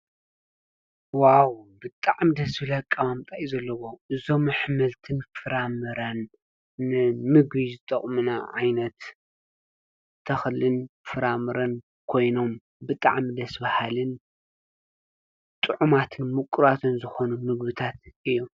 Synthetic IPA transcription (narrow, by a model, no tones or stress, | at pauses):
wawbɨt̪ʼaʕmid̪ɐsbɨlakʼːɐβamt̪ʼajzɐlːɐwoʔɨzo̞mːɨħmɐlt̪ʰɨnfɨɾamɨɾɐnː | ɨmɨɡβizɨt̪ʼɐχʼmɨnaʕajnɐt̪ | ɐxlɨnfɨɾamɨɾɐn | kʰo̞jno̞m | bɨt̪ʼa̰ʕmid̪ɐsbahalɨn | t̪ʼɨʕumat̪ʰɨnmɨkʼːɾat̪ʰɨnzɨxo̞numɨɡbɨt̪ʰat̪ʔɨjːu